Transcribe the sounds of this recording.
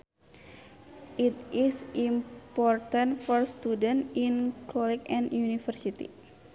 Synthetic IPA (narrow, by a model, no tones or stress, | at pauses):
ʔit̪isimpɔrt̪ãntfɔrst̪udənt̪inkʰɔlɛt͡ʃɛ̃njunifərsit̪ḭ